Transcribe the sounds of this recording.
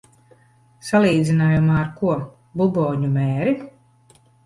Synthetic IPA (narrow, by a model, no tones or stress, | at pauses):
salˠiːd̪zʲinaːjumaːɾkuɔ | bubɔːɲumɛːɾi